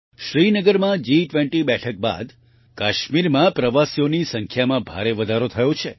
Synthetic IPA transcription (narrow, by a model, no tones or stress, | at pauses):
ʃɾinəɡəɾmãd͡ʒiʈʋẽɳʈibɛʈʰək̚ba̰d̪ | kaʃmiɾmãpɾəʋasijonisə̃ŋkʰjamãbʱaɾeʋəd̪ʱaɾot̪ʰəjõt͡ʃʰe